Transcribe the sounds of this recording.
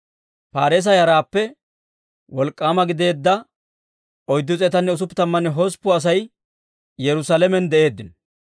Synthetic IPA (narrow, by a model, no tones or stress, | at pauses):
paːɾeːs̬ɐjɐɾaːpːɛ | wɔlkʼːaːmɐɡɪd̪e̞ːd̪ːɐ | ɔjd̪ːʊt͡sʼɛt̪ɐnːɛʊs̬ʊpːɪt̪ɐmːɐnɛɦɔspːʊɐs̬ɐj | jɛɾʊsalɛmɛnd̪ɛʔe̞ːd̪ːɪn